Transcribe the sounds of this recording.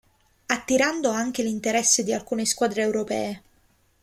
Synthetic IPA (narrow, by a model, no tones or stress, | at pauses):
at̪ːiɾand̪oaŋk̟elint̪eɾɛsːed̪ialkuːneskwaːd̪ɾeːwɾopɛ̰ːe